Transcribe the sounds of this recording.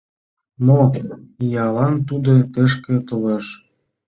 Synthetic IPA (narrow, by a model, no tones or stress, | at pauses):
noijɑlɑnt̪ud̪ot̪eʃkĕt̪əleʃ